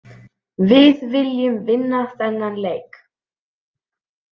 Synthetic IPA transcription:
vɪðvɪljʏmvɪnːaθɛnːanleːjk

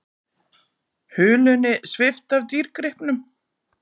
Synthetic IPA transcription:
hʏːlʏnɪsvɪft̪avt̪iːɾkɾɪhpnʏm

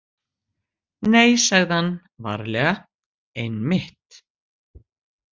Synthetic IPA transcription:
nejsaɣðhanː | va̰ɾlɛːɣa | ejnmɪht̪

